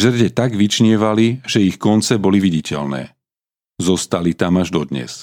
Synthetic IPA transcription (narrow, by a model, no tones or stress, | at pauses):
ʒr̩ɟɛt̪aɡʋit͡ʃɲɪɛʋaliʒ̥ɛixkɔnt͡sɛbɔliʋiɟicɛ̰lnɛ̰ː | zɔst̪alit̪amaʒd̪ɔd̪ɲɛ̰s